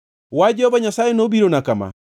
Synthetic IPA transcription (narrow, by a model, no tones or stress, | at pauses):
wad͡ʒɔβaɲasajenobiɾonakama̰